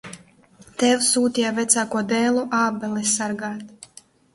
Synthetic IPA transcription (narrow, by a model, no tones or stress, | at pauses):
t̪ɛwsuːt̪ʲijavʲɛt̪saːkuɔd̪ɛːlˠuʔaːbɛlˠɛsaɾɡaːt̪